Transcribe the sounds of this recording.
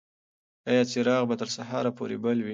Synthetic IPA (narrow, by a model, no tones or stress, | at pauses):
ajɑt͡seɾɑɣbat̪əɾsaɦɑɾapo̰ɾebəlwi